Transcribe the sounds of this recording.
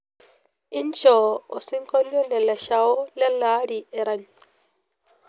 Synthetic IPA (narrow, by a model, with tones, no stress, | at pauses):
i˦nt͡ʃɔ˨ɔ˨si˦ŋkɔ˦li˦ɔ˦lɛ˨lːa˨ʃa˨wɔ˦lɛ˦lːaː˦ɾi˨ɛ˨ɾa˨ɲ